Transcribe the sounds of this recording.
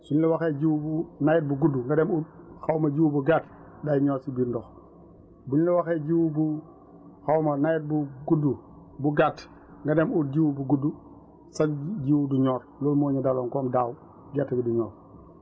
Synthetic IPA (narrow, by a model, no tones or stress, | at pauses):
sunlɛwaxeɟiwubunajɛt̚buɡudːuŋɡadɛmuxawmɐɟiwubuɡaːt | dajɲɔːɾsibiːɾndɔx | buɲlɛwaxɛːɟiwbu | xawmɐnajɛt̚buɡudːu | buɡat | ŋɡademuɾ̚ɟiwubuɡudu | saɟiwuduɲɔːɾlɔlmoːɲadalɔːŋkɔːmdaːw | ɡatːɐbiduɲɔːɾ